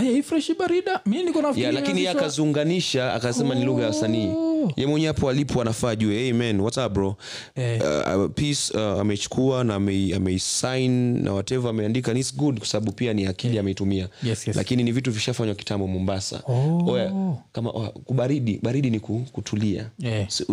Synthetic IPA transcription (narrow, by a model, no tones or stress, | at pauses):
ajaifɾɛʃiɓaɾiɗaminikɔnajalakiniɛakazuŋɡaniʃaa̰kasɛmaniluɣajaasaniːjɛmɔɲapɔalipʰɔanafaːʄuɛɛjmɛnwatabɾɔ̰ | pisa̰mɛit͡ʃu̥kʰuanaːmɛamɛisajnnʔa̰watɛvaamɛiandikanisɡudkwḁsaɓaɓupianiakiliamɛitumialʔa̰kininivituviʃafaɲwaki̥tambɔmɔmbasa̰ɔjakama̰ʔɔkuɓaɾiɗiɓaɾiɗinikukutʰulia̰s